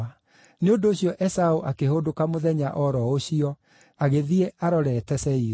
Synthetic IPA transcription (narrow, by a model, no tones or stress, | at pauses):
a | neondoːɕiɔʔɛsaoʔakehodokamoðɛɲaʔɔɾɔoɕiɔ | aɣeðiɛʔaɾɔɾɛːtɛsɛiɾ